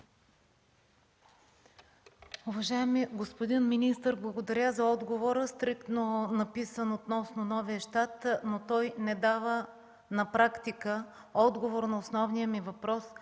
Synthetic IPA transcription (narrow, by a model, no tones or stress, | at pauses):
ʊvɐʒaɛmiɡospod̪inminist̪əɾblˠɐɡod̪ɐɾʲazɐɔd̪ɡovoɾəst̪ɾikt̪nonɐpisənot̪nɔsnonɔviəʃt̪at̪not̪ɔjnɛd̪avə | nɐpɾakt̪ikə | ɔd̪ɡovoɾnɐosnɔvnijəmivɐpɾɔs